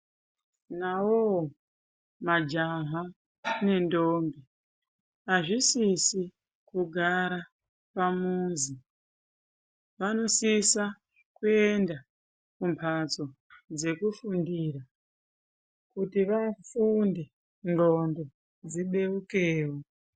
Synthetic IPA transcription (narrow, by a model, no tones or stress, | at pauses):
nawo | mad͡ʒaɦa | ne̞ndoːmbi | aʐisisi | kuɡʱaɾa | pamunzi | ʋano̞sisa | kue̞nda | kumpʰat͡so̞ | d͡ze̞kufundiːɾa | kutiʋafunde | ŋɡondo̞ | d͡ziɓe̞ukeːwo